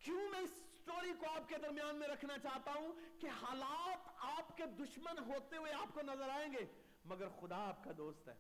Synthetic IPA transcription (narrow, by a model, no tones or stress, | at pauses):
kjũːmɛ̃ːɪsːʈoːɾikoaːp̚ked̪ɐɾmijaːnmẽɾɐkʰnat͡ʃaːɦt̪aɦũkehaːlaːt̪aːpked̪ʊʃmənɦoːt̪eɦʊeaːpkonɐzəɾaːẽːŋɡeː | mɐɡəɾxʊd̪aaːp̚kad̪oːst̪ɦɛ̰ː